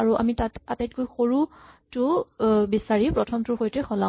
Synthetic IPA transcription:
aɹuʔa̰mitatatajt̚kojxoɹutʊbisaɹipɹɔtʰɔmtʊɹxojtɛxʰɔlã

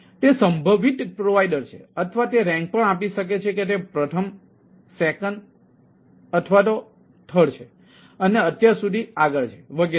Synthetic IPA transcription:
t̪esəmbʱəʋit̪pɾoʋaiɖəɾt͡ʃʰḛət̪ʰəʋat̪eɾɛ̃ŋk̚pəɳapiʃək̬et͡ʃʰeket̪̬epɾət̪ʰəm | sekənɖ | ət̪ʰʋat̪̬o | ʈ̪ʰəɽt͡ʃʰe | əneət̪jaɾsud̪ʱiaɡəɭt͡ʃʰe̥ʋəɡe

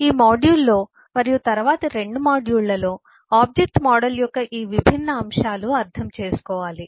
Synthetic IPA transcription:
iːmaːɖjuːlːo̞ː | mɐɾijut̪ɐɾʋaːt̪ɐɾe̞ɳɖumaːɖjuːɭlɐlo̞ː | aːb̚d͡ʒek̚ʈmaːɖɐljɔkːɐʔiːʋibʱinːɐːmʂaːluɐɾt̪ʰɐmt͡ʃeːsu̥kɔːʋaːli

